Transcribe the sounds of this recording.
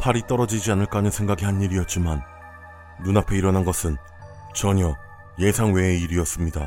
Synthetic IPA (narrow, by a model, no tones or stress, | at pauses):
pʰaɾit͈ʌɾʌd͡ʑid͡ʑianɯɭk͈anɯnsʰe̞ŋɡaɡihaniɾiʌt̚t͡ɕ͈imanː | unapʰe̞iɾʌnɦanɡʌsʰɯn | t͡ɕʌɲʌ | je̞sʰaŋwe̞ːiɾiʌs͈ɯmɲida